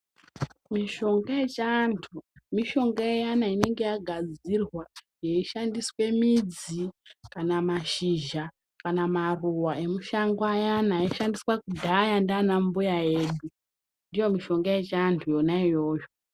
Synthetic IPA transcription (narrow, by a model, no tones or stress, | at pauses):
miʃo̞ŋɡajet͡ʃantʰumiʃo̞ŋɡajejanaine̞ŋɡe̞jaɡʱad͡zirwa | jeiʃandiswe̞mid͡zikanamaʃiʒa | kanamaruwae̞muʃaŋɡoajanajeiʃandiswakudʱajandaːnambujaje̞ːɗu | ndijo̞miʃo̞ŋɡaje̞t͡ʃantʰujo̞naijo̞ːjo